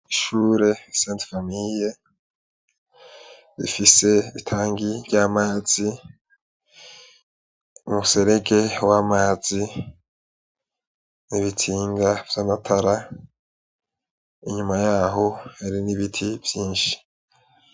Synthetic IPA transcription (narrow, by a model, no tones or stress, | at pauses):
iʃuːɾe̞seːntfamije | ɾḭfise̞itʰaːŋɡivjaːmaːz̥i | umuse̞ɾe̞ɡe̞wamaːz̥i | niβitʰiːŋɡav̥janatʰaɾa | iɲumajaːɦo̞eɾiniβitʰivjiːnʃi̥